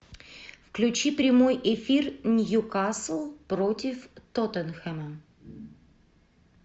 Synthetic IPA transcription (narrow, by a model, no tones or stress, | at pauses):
fklʲʉt͡ɕipɾʲɪmojɪfʲirnʲjukaslˠpɾotʲɪft̪ot̪ənxɛmə